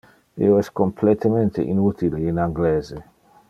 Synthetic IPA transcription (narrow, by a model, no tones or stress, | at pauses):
ḭoɛskomplet̪ement̪ḛʔḭnut̪ileinaŋɡleːze